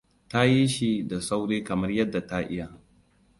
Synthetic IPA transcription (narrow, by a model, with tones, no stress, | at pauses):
ta˦ji˦ʃi˦da˨sa˦wɽeː˦kɐ˨mɐ˦rjɐ˦dːa˨ta˦ʔɪ˦ja˨